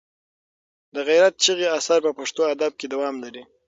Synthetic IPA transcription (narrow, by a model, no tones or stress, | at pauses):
d̪əɣajɾat̪̚t͡ʃəɣeasɑɾpəpaʂt̪oad̪ab̚ked̪awɑmlaɾi